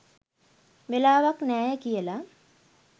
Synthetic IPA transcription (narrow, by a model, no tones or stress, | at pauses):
ʋelaːʋaknæːjəkijəla